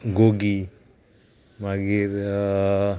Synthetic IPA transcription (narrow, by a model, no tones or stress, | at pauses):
ɡoɡi | maɡiɾ